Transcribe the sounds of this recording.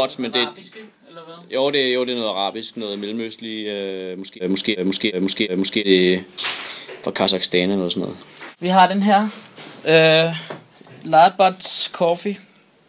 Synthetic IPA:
ɒd̥mend̥e̝ | joʊd̥e̝joʊd̥e̝nɔ̽ːð̩ˠɑʁɑ̰̈ːb̥isɡ̥nɔ̽ːð̩ˠmelm̩øsliømɔ̽sɡ̥e̝mɔ̽sɡ̥e̝̰ːmɔ̽sɡ̥e̝̰ːmɔ̽sɡ̥e̝̰ːmɔ̽sɡ̥e̝̰d̥e̝ | fʁɑ̈kʰɑsɑ̈ɡ̥sd̥ɛːnðˠsɔ̽nɔ̽ːð̩ˠʋiɦɑ̈dɾ̥enɦæɐ̰ | lɑb̥ɑd̥skʰɔfi

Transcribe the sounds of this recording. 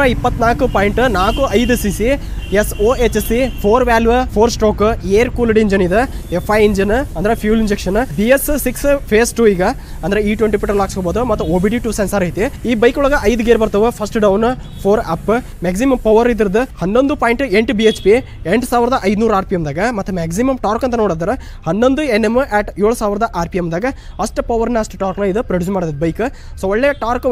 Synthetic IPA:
ɾɐipːɐt̪ːnaːkupaːjiɳʈnaːkuʔɐjd̪usisi | esoːet͡ʃːsipʰoːɾʋaːlʋpʰoːɾsʈoːkueːɾkuːlɽiɲd͡ʒɐnid̪eepʰːɐjiɲd͡ʒɐnɐnd̪ɐɾepʰjuːliɲd͡ʒekʂɐnbiessikspʰeːsʈuiːɡɐ | ɐnd̪ɐɾeiːʈʋeɳʈipiʈɐɾlaːkskoboːd̪umɐt̪ːuoːbiɖiʈuːsensɐɾɐjt̪iiːbɐjkuɭɐɡɐʔɐjd̪uɡeːɾbɐɾt̪ɐʋupʰɐsʈɖɐwn | pʰoːɾaːpːɨ | meːɡs̬imɐmpɐʋɐɾid̪ɐɾɐd̪ɨhɐnːond̪upaːjɳʈɨeɳʈbiet͡ʃpi | eɳʈsaːʋɾɐd̪ɐʔɐjd̪unuːɾaːɾpiemd̪aːɡɐmɐt̪ːumeːɡs̬imɐmʈaːɾkɐnt̪̬ːɐnoːɽd̪aɾe | hɐnːond̪uenːemːʔɛːʈjoːɭusaːʋiɾɐd̪ɐʔaːɾpijemd̪aːɡɐ | pʰɐsʈɨpɐʋɐɾnːɐsʈʈaːɾknɐid̪ɨpɾɐɖuːsmaːɽd̪ɐbɐjkɨ | soːɔɭːeːʈaːɾk

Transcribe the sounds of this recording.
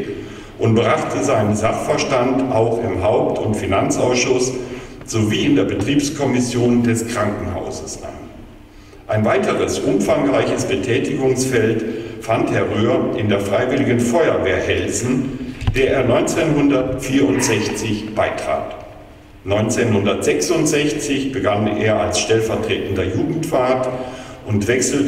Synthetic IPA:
ʔʊnt̚bʁaχtʰəzaɪnənzaχfɛɐʃtantʔaʊxɪmɦaʊp̚tʰʊntfinant͡sʔaʊsʃʊsz̥oviːɪndeːɐbətʁ̥iːpskʰɔmɪsjoːndɛskʁ̥aŋkŋ̩ha̰ʊzəsʔa̰n | ʔaɪnvaɪtəʁəsʔʊmfaŋʁaɪçəsb̥ətʰɛːtɪɡʊŋsfɛltfanthɛɐʁøːɐʔɪndeːɐfʁ̥aɪvɪlɪɡən̩fɔʏɐveːɐhɛlzn̩d̥eːɐʔeːɐnɔʏnt͡senɦʊndɐtfiːɐʊntz̥ɛçt͡sɪçb̥aɪtʁ̥a̰ːt | nɔʏnt͡seːnhʊndɐtz̥ɛksʊntz̥ɛçt͡sɪçb̥əɡanḛːɐalsʃtɛlfɛɐtʁ̥eːtn̩dɐjuːɡŋ̩tfaːɐtʔʊntv̥ɛksl̩

